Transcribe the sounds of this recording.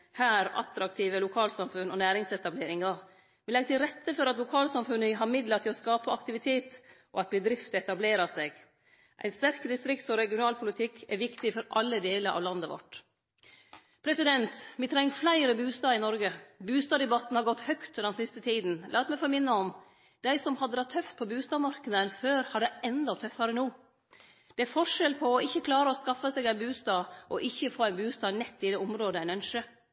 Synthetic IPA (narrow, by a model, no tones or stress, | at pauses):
hæːɾʔɑ̰t̪ɾɑk̚t̪ʰiːʋəlʊkʰɑːlsɑmfʉnɔ̰næːɾɪŋsɛt̪ɑbleːɾɪŋɑ | ʋɪlɛɡət̪ɪlɾɛt̪ʰːəfɔɾɑt̪lʊkʰɑːlsɑmfʉnəɦɑɾmɪd̪lɑt̪ʰɪlɔskɑːpəɑkt̪ɪʋɪt̪ʰeːt̪ʔɔ̰ɑt̪̚bəd̪ɾɪft̪ɛt̪ɑbleːɾɑseːɡ | ʔæ̰ɪnst̪æɾkd̪ɪst̪ɾɪkt̪sɔɾɛɡɪʊnɑːlpʰʊlɪt̪ʰɪkʰːɛɾʋɪkt̪ɪfɔɾʔɑlːəd̪eːləɾʔɑ̰ːʋlɑnd̪əʋɔ̰ʈ | pʰɾɛsɪd̪ɛnt̪mɪt̪ʰɾɛŋːflæɪɾəbʉːst̪ɑːɪnɔɾɡəbʉːst̪ɑːd̪ɛbɑt̪ːn̩hɑɾɡɔt̪ːhœkt̪ʉɛnsɪst̪ət̪ʰiːd̪n̩lʔɑːt̪mɛɪfɔːɾmɪnːəɔm | d̪̥æɪsɔmhɑd̪əɾɑt̪ʰːœft̪̚pʰɔbʉːst̪ɑːmɑɾkəd̪ənføːɾhɑɖ̪ɛɛnd̪ɑt̪ʰːœfːɑɾənuː | d̪̥ɛæɾfɔʂɛlpʰɔːɪçːəkʰlɑːɾəɔskɑfəsɛːɡæɪnbʉːst̪ɑːʔɔʔɪçːəfoːæɪnbʉːst̪ɑːnɛt̪ːɪd̪eːʊmɾoːd̪əæɪnœnʂə